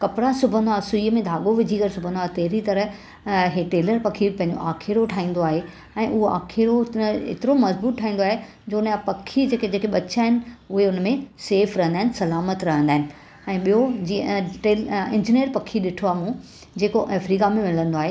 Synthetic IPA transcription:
kɐpɪɽasʊbʱə̃nd̪oaːsʊiːəmẽd̪ʱaːɠoʋɪd͡ʑʱikɐɾsʊbʱə̃nd̪oaːt̪eɦɾit̪ɐɾə | ɦeʈeːləɾpɐkʰipɐ̃ɦɪ̃ɲd͡ʑo̰ʔaːkʰɪɾoʈʰaːĩːnd̪oaːɦe | ɛ̃ːʔʊɦoa̰ːkʰɪɾoḛt̪ɪɾomɐzbuːt̪̚ʈʰaːĩːnd̪oaːɦe | d͡ʑoːnapɐkʰːid͡ʑeːked͡ʑeːkeɓɐt͡ɕaːɦɪnɪ̆ʊɦeʊnmẽseːfɾɐɦə̃nd̪aɦɪnɪsɐlaːmət̪ɾɐɦə̃nd̪aːɦɪnɪ̆ | ɛ̃ːɓijod͡ʑiʈeːlɪ̃d͡ʑinijəɾpɐkʰiɗɪʈʰoaːɦmũ | d͡ʑeːkoʔeːfɾiːkamẽmɪlə̃nd̪oaːɦe

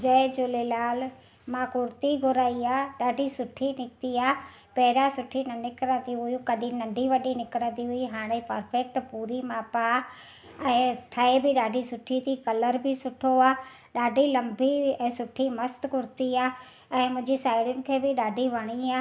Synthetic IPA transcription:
d͡ʒɛd͡ʒʊlelaːl | mãkʊɾt̪iɡʱʊɾaːiaːɗaːɖʱisʊʈʰːinɪk̚t̪iaː | pɛɦɾasʊʈʰːinɐnɪkəɾə̃ːd̪iɦʊjũkɐɗĩnɐ̃nɖiʋɐɗinɪkɾə̃ːd̪iɦʊiɦaːɽ̃ẽpəɾpʰɛk̚ʈpuːɾimaːpa | ɛ̃ːʈʰaebʱɪɗaːɖʱisʊʈʰːit̪ikɐləɾbʱɪsʊʈʰoaː | ɗaːɖʱilɐ̃mbiɛ̃ːsʊʈʰimɐst̪kʊɾt̪iaː | ɛ̃ːmʊ̃ɦɪ̃ɲd͡ʑisaːɪɽʊnɪ̆kʰeːbɪɗaːɖʱiʋəɽ̃iaː

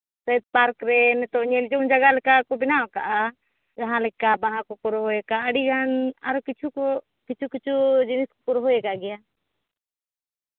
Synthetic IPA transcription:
said̪̚paɾkɾɛnɛt̪ɔɲɛld͡ʒɔnd͡ʒaɡalɛkakɔbɪnawka̰ʔa | d͡ʒaɦãlɛkːabaɦãkɔpɔɾɔɦɔɛkaːɽiɡana̰ɾɔkit͡ʃʰukɔ | kit͡ʃʰukit͡ʃʰud͡ʒiniskɔkɔɾɔɦɔjɛkaʔɡɛja

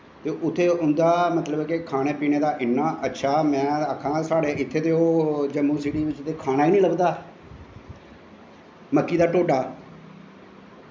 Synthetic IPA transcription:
t̪eːʔʊt̪ʰːeːʊnd̪aːmət̪ləbkɪkʰaːneːpiːneːd̪aːʔɪnːaːʔətːʃʰaːmɛ̃ːəkʰːãːsaːɽeːʔɪt̪ʰːeːt̪eːoːd͡ʒəmːũːsiːɽiːʋɪt͡ʃt̪eːkʰaːnaːiːnĩːləbd̪aː | məkːiːd̪aːʈoːɖaː

